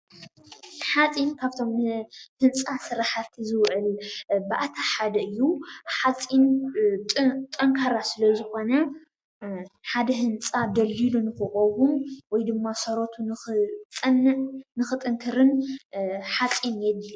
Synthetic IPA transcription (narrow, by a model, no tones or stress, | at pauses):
ħat͡sʼinkʰaβt̪ʰo̞mhɨnt͡sʼasɨɾaħat̪ʰizɨwʕɨlbɨʔat̪ʰaħad̪ɐɨjːuħat͡sʼinʼ | t̪ʼɐŋkʰɐɾasɨlɐzɨxo̞nɐ | ħad̪ɐɦɨnt͡sʼad̪ɐlːilunɨxɨxʼowumwɔjd̪ɨmːasɐɾot̪ʰunɨɨt͡sʼɨnnɨxɨt̪ʼɨŋkʰɨɾɨn | ħat͡sʼinjɛd̪li